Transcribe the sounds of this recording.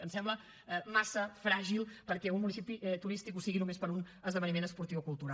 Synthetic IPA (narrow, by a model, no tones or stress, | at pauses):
ənsɛmblə | ɛmasəfɾaʒilˠpəɾkɛunmunisipiʔɛt̪uɾist̪ikusiɣinumespəɾun | əzðəβənimenəspuɾt̪iwkulˠt̪uɾa